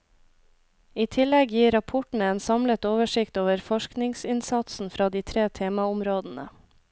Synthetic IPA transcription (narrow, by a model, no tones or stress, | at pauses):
iːt̪ʰɪlɛɡjiːɾɑpʰʊʈɳ̩əeːnsɑmlət̪oːʋəʃɪkt̪oːʋəɾfɔʃknɪŋsɪnsɑt̪sn̩fɾɑːd̪iːt̪ʰɾeːt̪ʰeːmɑʊmɾoːd̪n̩ə